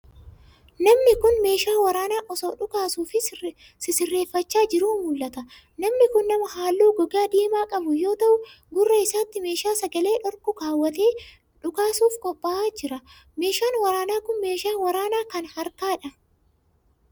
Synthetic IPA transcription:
nɐmnɪkʊnme̞ːʃaːwɐɾaːnaːʔɔsoːᶑʊkaːsuːfɪ | sɪsɪrːeːfːɐt͡ʃːaːd͡ʒɪɾuːmʊlːɐt̪ɐ | nɐmnɪkʊnːɐmɐhaːlːuːɡɔɡaːd̪iːmaːkʼɐbʊjo̞ːt̪ɐʔʊ | ɡʊrːɐɪsaːt̪ːɪme̞ːʃaːsɐɡɐle̞ːᶑɔɾkʊkaːwːɐt̪e̞ː | ᶑʊkaːsuːfkʼɔpʼːaaːd͡ʒɪɾɐ | me̞ːʃaːnwɐɾaːnaːkʊnme̞ːʃaːnwɐɾaːnaːkɐnhɐɾkaːᶑɐ

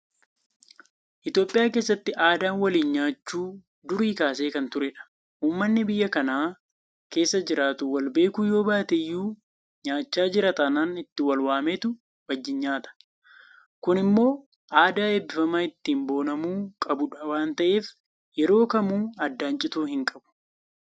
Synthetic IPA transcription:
ʔɪt̪jo̞ːpʼɪjaːke̞ːsːɐt̪ːɪʔaːd̪aːnwɐliːnɲaːt͡ʃːuː | d̪ʊɾiːkaːse̞ːkɐnt̪ʊɾɛᶑɐ̥ | ʔuːmːɐnːɪbɪjːɐkɐnaː | ke̞ːsːɐd͡ʒɪɾaːt̪ʊwɐlbe̞ːkujo̞ːbaːt̪ɛjːuː | ɲaːt͡ʃːaːd͡ʒɪɾɐt̪ɐnanɪt̪ːɪwɐlwaːmeːt̪ʊ | wɐd͡ʒːɪɲɲaːt̪ɐ̥ | kʊnɪmːo̞ː | ʔaːd̪aːebːɪfɐmaːɪt̪ːiːmbo̞ːnɐmuːkʼɐbʊᶑɐwaːnt̪ɐʔe̞ːf | jɛɾo̞ːkɐmuːɐd̪ːaːnt͡ʃʼɪt̪uːhɪŋkʼɐbʊ̥

